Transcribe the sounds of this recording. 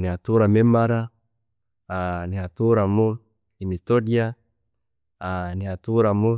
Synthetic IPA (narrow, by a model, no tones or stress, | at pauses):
niat̪uɾamɛmaɾa | aniɦat̪uɾamo | imit̪odia | aniat̪uɾamo